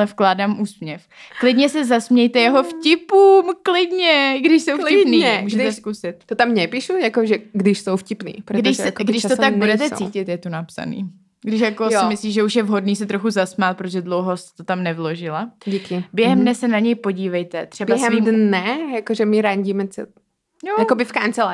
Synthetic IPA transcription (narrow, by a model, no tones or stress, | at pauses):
lɛfklaːdaːmʔuːsmɲɛfklɪdɲɛsɛzasmɲɛjt̪ɛjɛɦo̞fcɪpuːmklɪdɲɛɡdɪʃsowflɪpniːɛmuːʒɛt̪ɛskusɪt̪̚t̪ot̪amɲɛpiʃujakoʒɛɡdɪʃsowfcɪpnḭːpɾɡdɪʃsɛɡdɪʃt̪oaɡ̚budɛt̪ɛt͡siːcɪt̪jɛt̪onapsa̰nḭː | ɡdɪʃjakkojsɪmɪsliːʒɛuʃjɛvɦodniːsɛt̪ɾoxuzasmaːt̪̚pɾot̪oʒɛdlowɦosɛ̥t̪ot̪amnɛvlo̞ʒɪlaɟikɪbjɛɦɛmdnɛsɛnaɲɛjpo̞ɟiːvɛjt̪ɛt̪r̥ɛbaɛɦɛmdnɛjakoʒɛmɪɾaɲɟiːmɛt͡sɛ̰ | jojakobɪfkant͡sɛla